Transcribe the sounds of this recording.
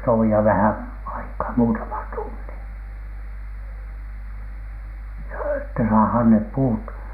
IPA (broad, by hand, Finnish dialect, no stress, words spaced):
toʋiɑ ʋæhæn ɑikɑː muːtɑmɑn tunːin joː etːæ sɑːhɑːn nep puːt